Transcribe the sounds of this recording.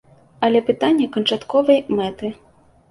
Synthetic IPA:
ɐlʲɛpɨt̪anʲːɛkɐnt͡ʂat̪kɔvɐjmɛt̪ɨ

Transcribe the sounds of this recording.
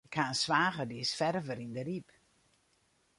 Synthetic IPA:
kʰaːnsʋaːɣədisfɛrvəɾindərip

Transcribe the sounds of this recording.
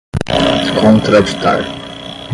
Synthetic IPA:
kʰõnt̪ɾɐʃt̪a̰ɾ

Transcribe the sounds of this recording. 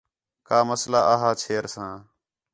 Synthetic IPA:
kaːməslaːʔəɦaːt͡ʃʰeːɾsãː

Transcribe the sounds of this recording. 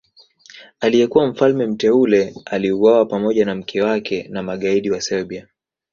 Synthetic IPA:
alijɛkuwam̩falmɛm̩tɛulɛaliuwawapamɔʄanam̩kʰɛwakɛnamaɠaiɗiwasɛɓia

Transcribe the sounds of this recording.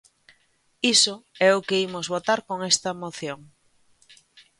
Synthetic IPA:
isoɛʊkeimozβot̪aɾkoŋest̪ɐmoθjoŋ

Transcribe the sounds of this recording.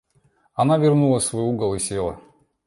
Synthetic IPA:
ɐnavʲɪrnulˠəsvojuɡəlˠɪsʲelˠə̰

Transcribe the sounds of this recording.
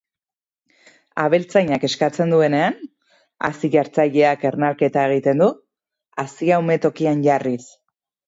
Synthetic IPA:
aβe̞lt͡sajɲake̞skat͡se̞nd̪ue̞ne̞an | a̰siʝaɾt͡sajʎe̞ake̞ɾnalke̞t̪ae̞ɣ̞it̪e̞nd̪u | asiawme̞t̪o̞kianʝaris

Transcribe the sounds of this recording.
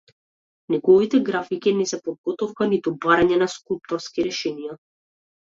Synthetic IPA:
nɛɡɔvit̪ɛɡɾafikinɛsɛpɔd̪̚ɡɔt̪ɔfkanit̪ubaɾaɲɛnaskulˠp̚t̪ɔɾskiɾɛʃɛnija

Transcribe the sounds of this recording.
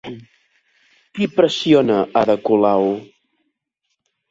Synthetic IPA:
kipɾəsionəʔaðəkulaw

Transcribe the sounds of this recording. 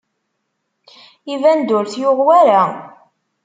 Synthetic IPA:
ivænd̪ʊɾθjʊʁwæɾæ

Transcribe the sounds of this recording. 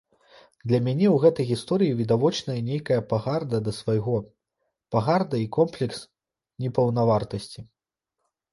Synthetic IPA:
d̪lʲɐmʲanʲɛwɣɛt̪ɐjɣʲist̪ɔɾɨjivʲid̪avɔt͡ʂnɐjɐnʲejkɐjɐpaɣard̪ɐd̪ɐsvajɣɔ | paɣard̪ɐikɔmplʲɛks | nʲɛpɐwnavart̪ɐsʲt͡sʲi

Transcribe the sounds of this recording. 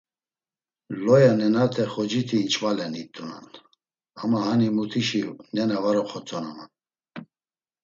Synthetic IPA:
lɔjanɛnat̪ʰɛχɔd͡ʒit̪ʰiːnt͡ʃʰvalɛnit̪ʼːuna̰n | amahanimut̪ʰiʃinɛnavaɾɔχʰɔt͡sʰʼɔnaman

